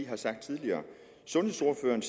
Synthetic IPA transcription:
iɦɑ̈sɑ̈ɡ̥̚d̥̚t͡sʰið̞ˠliɐː | sɔ̽nhe̝so̝ɐføːɐn̩s

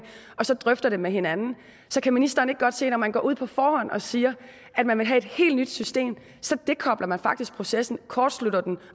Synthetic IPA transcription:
ɒ̽sɒ̽d̥ʁœfd̥ɐɾ̥emeɦe̝nænn̩ | sɒ̽kʰæminisd̥ɐːne̝ɡ̥̚ɡ̥ɒ̽d̥se̝̰ːnɒ̽mænɡ̥ɒ̰ːuð̰ˠpʰɒ̽fɒːhɒ̽n̰ɒ̽siːɐ | ʔæd̥mænʋe̝lɦæe̝d̥he̝̰ːld̥nyd̥sysd̥e̝̰ːm | sɒ̽d̥e̝kʰɒ̽b̥lɐmænfɑ̈ɡ̥d̥isɡ̥̚pʰʁo̝sesn̩kʰɒːd̥slud̥ɐd̥en

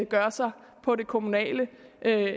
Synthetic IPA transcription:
ɡ̥ɶɐsɑ̈ɪ | pʰɒ̽ɾe̝kʰo̝munɛ̰ːləʔø

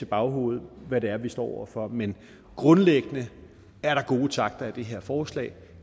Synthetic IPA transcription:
e̝b̥ɑ̈ʊɦo̝̰ːð̞̩ˠʋæɾe̝æɐʋisd̥ɒ̰ːɒ̰ʊ̰ɐfɒ̽men | ɡ̥ʁɔ̽nleɡ̥ənə | æɐɾ̥ɑ̈ɡ̥o̝ːt͡sʰɑ̈ɡ̥̚d̥ɐæd̥e̝ɦe̝ɐ̰fɒːslɛ̰ːɪ

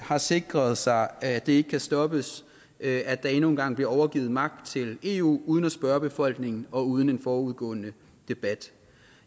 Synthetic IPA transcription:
hɑ̈se̝ɡ̥ʁɐð̞̩ˠsɑ̈ɪæd̥e̝e̝ɡ̥əkʰæsd̥ɒ̽b̥əs | æd̥ɑ̈e̝no̝ːnɡ̥ɑ̈ŋ̰b̥liɐɒʊɐɡ̥iːð̩ˠmɑ̈ɡ̥̚d̥̚t͡sʰe̝le̝ːṵːuːðˠən̩æsb̥ɶːɐb̥e̝fɒ̽l̰ɡ̥ne̝ŋn̩ɒ̽uːð̞ˠn̩enfɒːuð̞ˠɡ̥ɔ̰̽ːnə | d̥e̝b̥æd̥

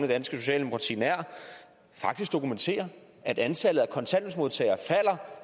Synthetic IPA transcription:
nəd̥ænsɡ̥əso̝ɕ̬ɛ̰ːld̥emokʰʁɑ̈t͡sʰḭːnæɐ̰ | fɑ̈ɡ̥̚d̥isɡ̥̚d̥o̝kument͡sʰe̝̰ːɐ | æd̥ænt͡sʰælð̩ˠækʰɒ̽nsʰæn̰nsmo̝ðˠt͡sʰɛ̰ɪɐfæl̰ɐ

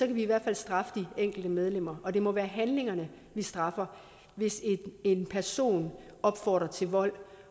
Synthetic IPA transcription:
sɒ̽kʰæʋiːʋæɐ̰d̥fæl̰sd̥ʁɑ̈fə̥d̥ieŋ̰ɡ̥l̩d̥əmeð̞ˠlem̰ɐʔɒ̽d̥e̝mɒ̽ʋæːɐɦænle̝ŋɐnə | ʋisd̥ʁɑ̈fɐ | ʋe̝seenpʰæɐso̝̰ːn | ɒ̽b̥fɒ̰ːd̥ʁɐt͡sʰe̝lʋɒ̽l̰

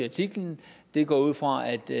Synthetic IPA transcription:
æt͡sʰiɡ̥ln̩d̥e̝ɡ̥ɒ̰ːuð̞̰ˠfʁɑ̈æd̥

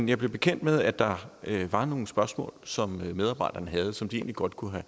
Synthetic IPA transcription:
njɑ̈ɪb̥le̝b̥e̝kʰen̰d̥með̞ˠæ̥d̥ɑ̈øʋɑ̈no̝ːn̩sb̥ɶɐsmɔ̰̽ːlsɒ̽mmeð̞ˠɑ̈ːb̥ɑ̈ɪ̰d̥ɐnəɦæð̞̩ˠəsɒ̽md̥ie̝ːnliɡ̥ɒ̽d̥kʰuɦæ

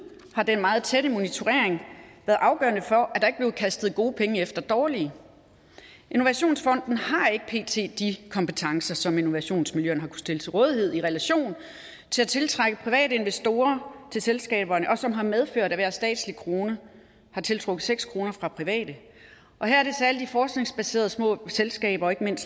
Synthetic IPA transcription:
hɑ̈d̥enmɑ̈ːð̞̩ˠt͡sʰeɾəmo̝nit͡sʰo̝ʁeɐeŋʋæːɐð̩ˠɑ̈ʊɡ̥ɶ̰ɐnəfɒ̽ʔæd̥ɑ̈e̝ɡ̥bleːʊð̩ˠkʰæsd̥ð̞̩ˠɡ̥o̝ːpʰeŋəefd̥ɐd̥ɒːli | ʔe̝no̝ʋæɕo̝̰ːnsfɒ̽n̰d̥n̩hɑ̈e̝ɡ̥ə̥pʰe̝̰ːt͡sʰe̝̰ːd̥ikʰɒ̽mpət͡sʰɑ̈ŋsɐsɒ̽me̝no̝ʋæɕo̝̰ːnsmiljøɐnɦɑ̈kʰu̥sd̥e̝lət͡sʰe̝lʁɔ̽ːð̞ˠiɦe̝ð̰ˠiʁɛlæɕo̝̰ːn | t͡sʰe̝læt͡sʰe̝lt͡sʰʁɑɡ̥əpʰʁiʋɛ̰ːdəe̝nʋesd̥o̝ːɐt͡sʰe̝lselsɡ̥ɛ̰ːb̥ɐnəʔɒ̽sɒ̽mɦɑ̈með̞ˠføɐ̰ɾ̥æʋæɐ̥sd̥ɛ̰ːd̥slikʰʁo̝ːnə | hɑ̈t͡sʰe̝lt͡sʰʁɔ̽ɡ̥ð̩ˠseɡ̥skʰʁo̝ːnɐfʁɑ̈pʰʁiʋɛ̰ːd̥ə | ʔɒ̽ɦæɐæɐde̝sæɐlədifɒːsɡ̥ne̝ŋsb̥æse̝̰ːɐð̞ˠsmɔ̰̽ːselsɡ̥ɛ̰ːb̥ɐɒ̽e̝ɡ̥əme̝n̰sd̥

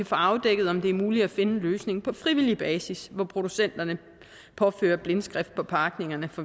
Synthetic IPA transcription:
kʰæfɔɑ̈ʊd̥eɡ̥ð̩ˠɒ̽md̥e̝æɐmuːli̥æfe̝nən̩løːsne̝ŋpʰɒ̽fʁiʋil̰ib̥ɛːsisʋɒpʰʁo̝d̥usen̰d̥ɐnə | pʰɒ̽fø̰ːɐb̥le̝nsɡ̥ʁɛfd̥̚pʰɒ̽pʰɑ̈ːɡ̥ne̝ŋɐnəfɒ̽

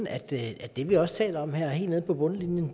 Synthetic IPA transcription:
n̩æd̥æ̥d̥e̝ʋiɒ̽st͡sʰɛ̰ːlɐɒ̽m̰heɐ̰he̝̰lne̝ð̞̩ˠpʰɒ̽b̥ɔ̽nəlinjən

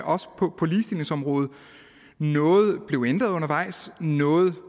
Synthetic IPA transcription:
ʔɒ̽sə̥pʰɒ̽pʰɒ̽liːsd̥ile̝ŋsɒ̽mʁɔ̽ːð̞̩ˠ | nɔ̽ːð̞̩ˠb̥le̝ʊend̥ʁɐðˠɔ̽nɐʋɑ̈ɪ̰snɔ̽ːð̞̩ˠ

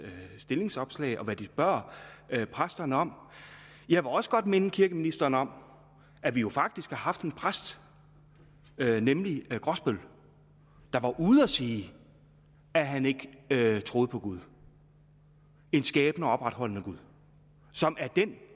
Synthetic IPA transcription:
sd̥e̝le̝ŋsɒ̽b̥slɛ̰ɪʔɒ̽ʋæd̥isb̥ɶɐ̰pʰʁasd̥ɐnəɒ̽m̰ | jɑ̈ɪʋe̝lɒ̽sə̥ɡ̥ɒ̽d̥me̝nəkʰiɐɡ̥əminisd̥ɐːnəɒ̽m̰ | ʔæʋijo̝fɑ̈ɡ̥̚d̥isɡ̥hɑ̈hɑ̈fd̥e̝npʰʁasd̥ | nemliɡ̥ʁɒsb̥øl | d̥ɑ̈ʋɑ̈ʔuð̩ˠɒsiː | æɦæne̝ɡ̥ət͡sʰʁo̝ːð̩ˠpʰɒ̽ɡ̥uð̞ˠ | e̝nsɡ̥ɛːb̥nəɒɒ̽b̥ʁad̥hɒ̽l̰nəɡ̥uðˠ | sɒ̽mʔæɐd̥en

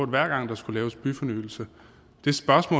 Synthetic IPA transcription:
ɐd̥ʋæɐ̰ɡ̥ɑ̈ŋ̰d̥ɑ̈sɡ̥ulɛːʊsb̥yfɒ̽nyːl̩sə | d̥e̝sb̥ɶɐsmɔ̰̽ː

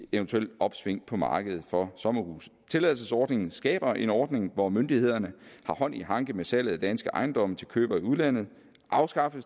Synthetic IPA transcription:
eʊnt͡sʰueld̥ɒ̽b̥sʋe̝ŋ̰pʰɒ̽mɑ̈ːɡ̥əð̞̩ˠfɒ̽sɒ̽mɐhṵːst͡sʰe̝lɛðl̩ˠsəsɒːd̥ne̝ŋn̩sɡ̥ɛ̰ːb̥ɐʔe̝nɒːd̥ne̝ŋʋɒmønd̥ihe̝ð̞̰ˠɐnəhɑ̈hɒ̽n̰iɦɑ̈ŋɡ̥əmesæl̰əð̩ˠd̥ænsɡ̥əʔɑ̈ɪnd̥ɒ̽mt͡sʰe̝lkʰø̰ːb̥ɐiuðˠlæn̰ð̞̩ˠ | ʔɑ̈ʊsɡ̥ɑ̈fəs

